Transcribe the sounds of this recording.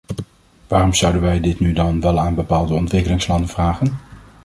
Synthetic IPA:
ʋaːrɔmz̥ʌwdənʋɛjdɪtnydɑnʋɛlˠaːnbəpaːlˠdəɔntʋɪkəlɪŋslɑndənvraːχən

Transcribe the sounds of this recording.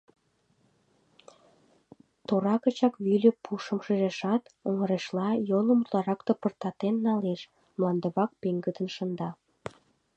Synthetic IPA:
t̪oɾɑkə̆t͡ɕɑkβylʲepuʃəmʃəʒeʃɑt̪oŋəɾeʃlɑjoləmut̪lɑɾɑkt̪opərt̪ɑt̪enːɑleʃ | mlˠɑnd̪əβɑk̚peŋɡəd̪ənʃənd̪ɑ

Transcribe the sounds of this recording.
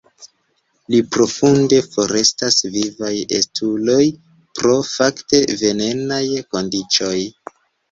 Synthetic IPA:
lipɾo̞funde̞fo̞ɾe̞stasvivajḛstʰulo̞j | pɾo̞fakte̞ve̞ne̞najko̞ndit͡ʃo̞j

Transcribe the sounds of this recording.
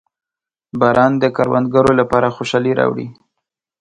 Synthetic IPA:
bɑɾɑnd̪əkaɾwa̰nd̪̚ɡaɾolapɑɾaxoʃɑliɾɑ̰wɽḭ

